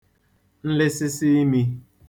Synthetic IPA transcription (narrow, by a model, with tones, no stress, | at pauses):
n̩˦lɪ˦sɪ˦si˦i˦mi˦